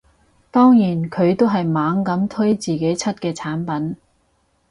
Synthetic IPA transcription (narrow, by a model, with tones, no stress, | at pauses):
t̪ɔː˥ŋjiː˨˩nkʰɵ˨˧ɥt̪o˥wɦɐ˨jmaː˨˧ŋkɐ˨˥mt̪ʰɵ˥jt͡siː˨ke˨˥jt͡sʰɐ˥t̚kɛː˧t͡sʰaː˨˥npɐ˨˥n